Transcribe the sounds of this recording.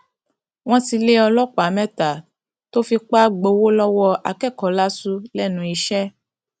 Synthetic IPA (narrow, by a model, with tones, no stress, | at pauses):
w̃ɔ̃˦ti˧le˦ɔ˧lɔ˦k͡pa˨˦mɛ̃˦ta˨ | to˦fi˧k͡pa˦ɡ͡bo˧wo˦lɔ˦wɔ˧a̰˧kɛ˦˨kɔ˨la˦su˦lɛ˦nũ˨˦i˧ʃɛ˦